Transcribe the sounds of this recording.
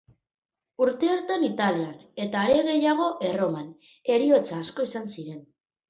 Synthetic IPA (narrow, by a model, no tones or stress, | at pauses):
uɾt̪e̞oɾt̪anit̪aliane̞t̪aːɾe̞ɣe̞jaɣ̞o̞ʔe̞ro̞man | e̞ɾio̞t͡saːsko̞isansiɾe̞n